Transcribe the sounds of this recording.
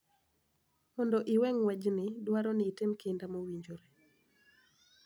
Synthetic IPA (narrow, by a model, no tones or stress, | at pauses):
mɔndɔʔɪwɛŋwɛd͡ʒnɪdwaɾɔnɪːtɪmkɪndamowiɲd͡ʒoɾe